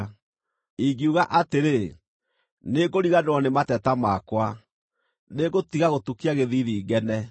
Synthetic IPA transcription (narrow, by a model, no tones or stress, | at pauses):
iɡiuɣaʔateɾe | neɡoɾiɣadɔnematɛtamakwa | neɣotiɣaɣotukiaɣeðiðiːɣɛnɛ